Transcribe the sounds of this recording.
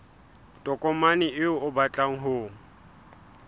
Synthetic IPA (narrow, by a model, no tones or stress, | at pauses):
tʼɔkʼɔmanɪʔɪʊʊbat͡ɬʼaŋ̩ɦʊŋ̩